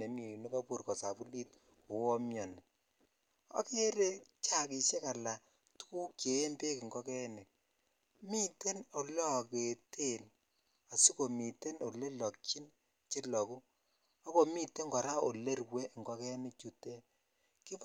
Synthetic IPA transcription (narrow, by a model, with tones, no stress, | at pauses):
e˨mi˨nu˦ka˦pu˦rkɔ˨sa˨pu˦li˦t̚ | ko˨wɔ˦mjɔ˨nɛ˨ | a̰˦ke˦ɾe˦t͡ʃa˦ki˨ʃe˦ka˨la˨ | tu̥˦ku˦kjeː˨˦mpe˦kŋɡɔ˦kɛ˦nɪ˨k̚ | mi˦te˦no˨lɔ˦˨ke˨tʰe˦˨n | a˨si˦ko˨mi˨te˦no˨le˦lɔ˨kt͡ʃi˦n | t͡ʃɪ˦lɔ˨ku˦ | a˦ko˨mi˦te˦ŋɡɔ˨ɾa˦o˨le˦rwe˦ŋɡɔ˦kɛ˦nɪ˦k̚t͡ʃu˨te˦ | ki˦p